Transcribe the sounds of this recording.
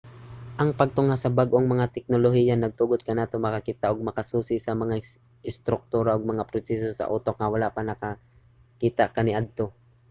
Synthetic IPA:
ʔɐŋpɐɡ̚t̪ʊŋasɐbaɡʔoŋmɐŋat̪ɛk̚noloɦiːjanɐɡ̚t̪uɡod̪̚kɐnaːt̪omɐkɐkiːt̪aʔoɡ̚mɐkɐsuːsɪsɐmɐŋa | ʔɪst̪ɾʊk̚t̪uːɾaʔoɡ̚mɐŋapɾʊsɛsosɐ̰ʔuːt̪o̞k̚ŋɐwalaʔpanɐka | kiːt̪aʔkɐniʔad̪̚t̪o̞

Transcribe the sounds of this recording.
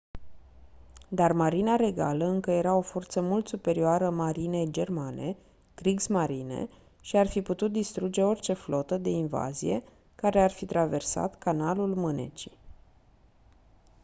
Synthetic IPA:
d̪armaɾinaɾe̞ɡaləɨŋkəje̞ɾao̞fo̞rt̪səmult̪supe̞ɾioaɾəmaɾined͡ʒe̞rmane̞ | ɡ̥ɾiɡsmaɾine̞̰ | ʃiarfiput̪ut̪̚d̪ist̪ɾud͡ʒe̞o̞rʲt͡ʃe̞flo̞t̪əd̪e̞inva̰zḭje̞̰ | kaɾe̞arfit̪ɾave̞rsa̰t̪kanalulmɨnḛt͡ʃi̥

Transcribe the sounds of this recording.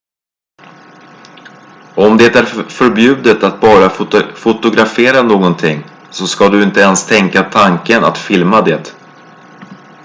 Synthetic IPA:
ɔmd̪eːt̪æɾfœɾbjʉ̟ːd̪ət̪at̪̚bɑːɾafʊt̪ʊɡɾafeːɾanoːɡɔnt̪ʰɪŋː | sɔskad̪ɵɪnt̪əɛnst̪ʰɛŋkat̪ʰaŋkəna̰t̪fɪlmad̪eːt̪

